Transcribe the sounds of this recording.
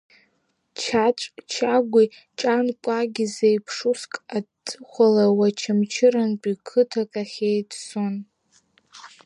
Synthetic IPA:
t͡ʃʰat͡ʃʷʼt͡ʃʰaɡʷi | t͡ʃʼankʷʼaɡʲizejpʰʂuskʼatʰːɨχʷalawat͡ʃʰamt͡ʃʰɪɾanpʼikʰɨtʰakʼaχʲejtson

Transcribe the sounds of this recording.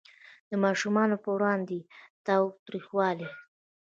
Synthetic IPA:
d̪̥əmɑʃumɑnopəwɾɑnd̪et̪ɑwt̪ɾixwɑle

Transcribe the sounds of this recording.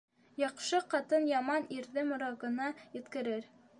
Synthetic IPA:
jɑqʃɤqɑt̪ɤnjɑmɑniɾðɘmŏɾɑʁɤ̆nɑjɘ̆t̪kɘ̆ɾɘɾ

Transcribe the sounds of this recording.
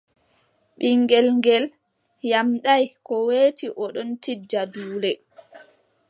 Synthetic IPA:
ɓiŋɡɛlŋɡɛl | jamɗajkɔweːtiʔɔɗɔntid͡ʒaduːlɛ

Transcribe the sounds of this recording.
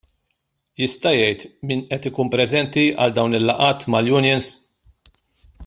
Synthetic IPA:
jɪst̪ɐjɛjt̪miːnʔɛt̪ɪkuːnmpɾɛzɛnt̪iɐ̰ld̪ɐwnɪlːɐʔɐːt̪mɐljʊnjɛns

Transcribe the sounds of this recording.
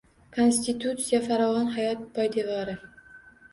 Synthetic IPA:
kʰonsʲt̪it̪ʰut̪sijafaɾɒvɒnɦajɒt̪̚pʰɒjd̪evɒɾɪ

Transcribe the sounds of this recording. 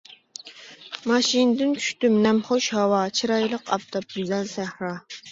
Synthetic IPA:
mɑʃinɨd̪ɪnt͡ʃʰy̥ʃt̪ymnɛmχoʃhɑwɑt͡ʃʰiɾɑjlˠəqɑp̚t̪ʰɑp̚jyzɛlsæhɾɑ

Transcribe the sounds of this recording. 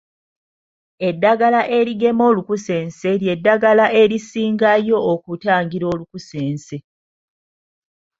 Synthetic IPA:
e̞dːaɡalaʔe̞ɾiɡe̞mo̞ːlukuse̞ːnse̞lje̞dːaɡalaʔe̞ɾisiːŋɡajo̞ːkutaːŋɡiɾo̞ːlukuseːnse̞

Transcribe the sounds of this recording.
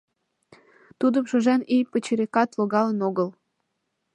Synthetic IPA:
t̪ud̪ə̆mʃɤ̆ʒænijpə̆t͡ɕeɾekɑt̪loɣɑlenoɣəl

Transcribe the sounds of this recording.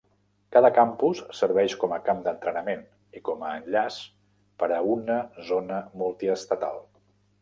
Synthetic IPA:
kaðəkampusːəɾβɛʃkɔməkamd̪ənt̪ɾənəmen | ikɔməːnʎas | pəɾəunəzonəmulˠt̪iəst̪ət̪a̰lˠ

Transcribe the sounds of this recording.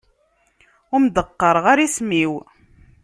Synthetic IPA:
ʊmd̪əqːəɾˤʁaɾismiw

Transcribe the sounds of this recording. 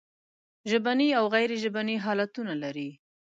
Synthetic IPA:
ʒəbaniawɣajɾeʒəbaniɦɑlat̪unalaɾi

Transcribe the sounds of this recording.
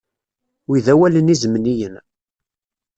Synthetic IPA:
wiðæwælənizəmnijən

